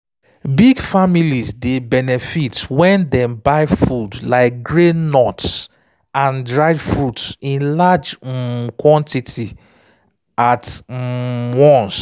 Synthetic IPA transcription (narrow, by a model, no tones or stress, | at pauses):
biɡfamilizdebɛnɛfitwɛ̃ndɛ̃mbaɪfudlaɪk̚ɡɹenɔts | ãndɹaɪvfɹutsĩnlad͡ʒkwɔ̃ntitʰi | at | wɔ̃ns